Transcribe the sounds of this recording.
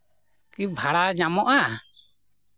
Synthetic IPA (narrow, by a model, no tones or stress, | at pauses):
kibʱaɽaɲamɔʔa